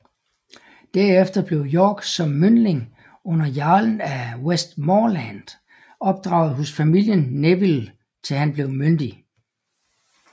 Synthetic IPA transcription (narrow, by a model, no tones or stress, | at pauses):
d̥æɐefd̥ɐb̥le̝ʊjɒːɡ̥sɒ̽mːønle̝ŋ | ɔ̽n̰ɐjæɐln̩æwesd̥mɒlænd̥ | ɒ̽b̥̚d̥ʁɑ̈ʊð̩ˠɦɔsfæmil̰jənːeʋil | t͡sʰe̝lɦænb̥le̝ʊmønd̥i